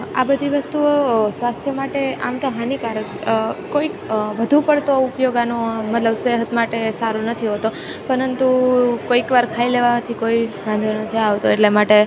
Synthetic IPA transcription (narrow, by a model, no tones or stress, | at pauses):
a̰bəd̪ʱiʋəst̪uosʋast̪ʰjəmaʈea̰mt̪oɦanikaɾəkkːoikʋəd̪ʱũpəɽt̪oupjoɡanomət̪ləbseɦət̪maʈesaɾunət̪ʰiɦot̪o | pəɾənt̪ukoikʋaɾkʰaileʋamat̪ʰikoibãnd̪ʱonət̪ʰiaʋt̪oeʈlemaʈe